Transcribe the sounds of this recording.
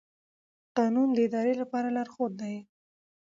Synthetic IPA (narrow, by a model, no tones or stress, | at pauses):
qɑnumd̪əɪd̪ɑɾelapɑɾalaɾxod̪d̪ai